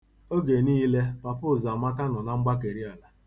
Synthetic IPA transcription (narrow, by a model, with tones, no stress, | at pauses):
o˦ɡe˨niː˦le˦pa˨pʊ˦˨za˨ma˦ka˦nɔ˨na˦ŋ͡m̩˦ɡ͡ba˦k̬e˨ɾi˦a˨la˨